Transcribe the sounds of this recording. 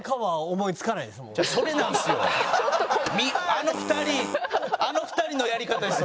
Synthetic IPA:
kaβaomo̞it͡sɨ̥kanaid̪esmõaso̞ɾe̞nãñesɨjo | mʲiano̞ɸɯ̟̥t̪aɾʲiano̞ɸɯ̟̥t̪aɾʲino̞jaɾʲikat̪aes

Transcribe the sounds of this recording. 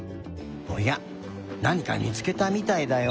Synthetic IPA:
moja | nãŋ̟ika̰ɲʲḭt͡sɨ̥ke̞t̪amʲit̪aid̪ajo

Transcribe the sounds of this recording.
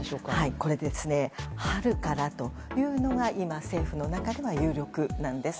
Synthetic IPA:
okhaiko̞ɾe̞d̪e̞sɨne̞haɾɯ̟kaɾat̪o̞ | jɯ̟ːno̞ɡaʔimase̞ːɸɯ̟no̞nakad̪e̞βajɯ̟ːɾʲo̞kɯ̟nãnd̪e̞sɨ̥

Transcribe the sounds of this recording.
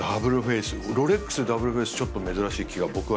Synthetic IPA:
abɯ̟ɾɯ̟ɸe̞ːsɨɾo̞ɾekːɯ̥sɨd̪abɯ̟ɾɯ̟ɸe̞ːsɨ̥t͡ɕo̞t̪ːo̞me̞zɨɾaɕiːkʲiɡabo̞kɯ̟βa

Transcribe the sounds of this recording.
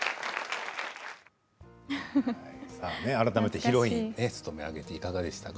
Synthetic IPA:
haisaːne̞aɾat̪ame̞t̪e̞çiɾo̞inesɨ̥t̪o̞me̞a̰ɡe̞t̪e̞ikaɡad̪e̞ɕi̥t̪ak

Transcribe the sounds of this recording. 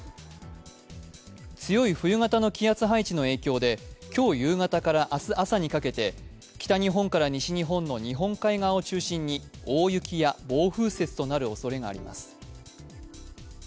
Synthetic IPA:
t͡sɨjo̞iɸɯ̟jɯ̟ŋat̪ano̞kʲijat͡sɨɦait͡ɕino̞e̞ːkʲo̞ːd̪e̞kʲo̞ːjɯ̟ːŋat̪akaɾaʔasɨʔasaɲ̟ikake̞t̪e̞ | kʲi̥t̪aɲ̟iɦõ̞ŋkaɾaɲ̟iɕiɲ̟iɦõ̞nːo̞ɲ̟iɦõ̞ŋkaiɡao̞t͡ɕɨːɕĩɲ̟ːio̞ːjɯ̟kʲijabo̞ːɸɯ̟ːse̞t͡sɨ̥t̪o̞naɾɯ̟o̞so̞ɾe̞ɡa̰ːɾʲḭma̰sɨ̥

